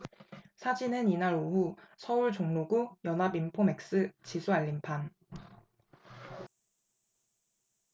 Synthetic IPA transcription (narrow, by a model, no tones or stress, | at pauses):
sʰad͡ʑinɯninaɾoɦusʰʌuɭt͡ɕoŋnoɡujʌnabimpʰome̞k̚s͈ɯt͡ɕisʰuaʎːimpʰan